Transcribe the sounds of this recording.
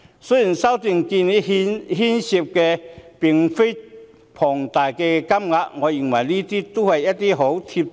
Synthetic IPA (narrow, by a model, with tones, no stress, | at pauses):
so˥ji˨˩nsɐ˥wt̪i˨˧ŋki˧ni˥hnɦi˥nɕi˧p̚kɛ˧pi˨˩ŋfe˥j | pʰɔ˨˩ŋt̪aː˨˩jkɛː˧kɐ˥mŋa˧k̚ŋɔː˨˧ji˨˩ŋwɐ˨˩jliː˥t̪iː˥t̪o˥hɐ˨jjɐ˥t̚t̪i˥ɦo˨˥wt̪ʰi˧p̚